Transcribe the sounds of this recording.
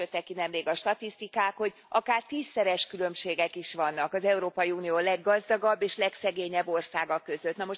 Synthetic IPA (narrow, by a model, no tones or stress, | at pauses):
øt̪ːɛkːinɛmleːɡɒʃt̪ɒt̪ist̪ikaːkho̞ɟ | ʔɒkaːrt̪iːsːɛɾɛʃkylø̞mʃeːɡɛkiʃʋɒnːɒkɒzɛuɾoːpɒjiuːnijoːlɛɡːɒzd̪ɒɡɒbːeːʃlɛksɛɡeːɲɛbːo̞rsaːɡɒkːø̞zø̞t̪nɒmo̞ʃ